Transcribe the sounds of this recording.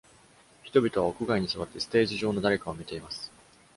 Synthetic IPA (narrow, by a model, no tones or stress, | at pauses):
çi̥t̪o̞bʲit̪o̞βaokɯ̟ɡaiɲ̟isɨβat̪ːe̞sɨ̥t̪e̞ːʑiʑo̞ːno̞d̪aɾe̞kaomʲit̪e̞imasɨ̥